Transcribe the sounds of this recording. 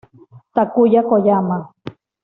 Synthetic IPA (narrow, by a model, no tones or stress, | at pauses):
t̪akujakojama